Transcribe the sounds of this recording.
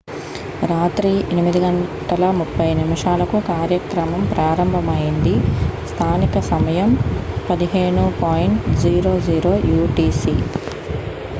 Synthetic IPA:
ɾaːt̪ɾiʔenimid̪iɡɐɳʈɐlɐmupʰːɐjnimiʂaːlɐkukaːɾjɐkɾɐmɐmpɾaːɾɐmbʱɐmɐjind̪ist̪ʰaːnikɐsɐmɐjɐmpɐd̪iɦe̞ːɳupaːjiɳʈd͡ʒiːɾoːd͡ʒiːɾoːjuːʈiːsḭ

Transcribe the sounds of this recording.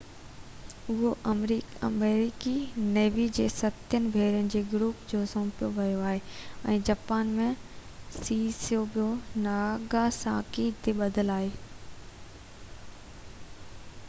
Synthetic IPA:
ʊɦoʔɾiɐmeːɾikineːʋid͡ʑeːsɐt̪jənɪ̆bʱeːɾjənɪ̆d͡ʑeːɡɾuːpd͡ʑoːsõːpijoʋɐjoaːɦeɛ̃ːd͡ʑaːpaːnmẽsiːsijobijonaːɡasã̰ːkit̪ʰeɓɐd̪ʱəlaːɦeː

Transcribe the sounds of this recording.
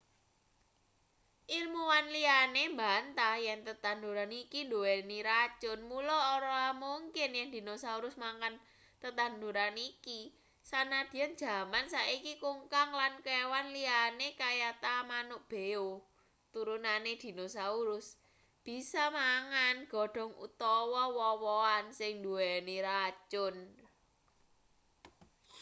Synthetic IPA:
ʔilmuwanlianembant̪ajɛŋt̪ət̪and̪uɾanikinduweniɾḁt͡ʃʊnmulɔːɾɔamuŋkɪnjɛŋd̪̥i̤nosauɾʊsmaŋkan | t̪ət̪and̪uɾaniki | sanad̪̥i̤and͡ʒ̥a̤mansaʔikikuŋkaŋlankewanlianekajat̪amanʊʔb̥e̤o | t̪uɾunaned̪̥i̤nosauɾʊs | b̥i̤sɔmaŋanɡ̥ɔ̤ɖ̥ɔ̤ŋṵt̪ɔwɔwɔwɔansɪŋnd̪uɛniɾat͡ʃʊn

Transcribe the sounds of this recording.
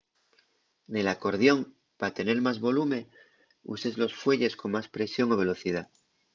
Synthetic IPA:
ne̞lako̞ɾð̞jo̞ŋ | pat̪e̞ne̞ɾmazβo̞lumẽ̞ | ṵse̞zlo̞sfwe̞ʎe̞skoŋmaspɾe̞sjo̞ŋoβe̞lo̞θið̞a

